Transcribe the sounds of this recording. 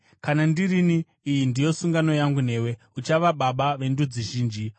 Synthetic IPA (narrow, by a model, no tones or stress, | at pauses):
kanandiriniː | jindijo̞suŋɡano̞jaŋɡune̞ːwe̞ | ut͡ʃaʋaɓaɓaʋe̞ndud͡ziʒiːnd͡ʒi